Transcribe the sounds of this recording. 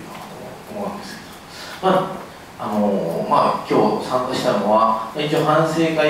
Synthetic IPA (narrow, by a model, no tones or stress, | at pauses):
ot̪oo | omoãnd̪e̞sɨ̥ked̪o̥ | ma | anomakʲo̞ːsãŋkaɕi̥t̪anoβamait͡ɕio̞ːhãñse̞ːka